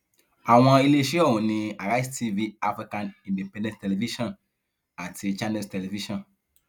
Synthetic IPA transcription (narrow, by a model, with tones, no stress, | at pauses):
a˨w̃ã˨˧i˦le˦ʃi˦ɔ˦˨wũ˨nĩ˨a˨ɾa˦i˦sti˦vi˦a˦fɾi˦kã˦nĩ˨nde˨pɛ̃˦dɛ̃˦tɛ˨le˨vi˦ʃɔ̃˨n | a˨tʰi˨t͡ʃa˦nɛ˦stɛ˨le˨vi˦ʃɔ̃˨n